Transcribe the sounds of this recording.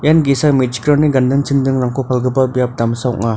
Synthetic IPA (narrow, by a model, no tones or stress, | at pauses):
janɡisamed͡ʒi̥kɾɔniɡɐndɯŋt͡ʃʰindɯŋɾaŋkʰɔpʰalɡɯbabijap̚damsawk̚ŋa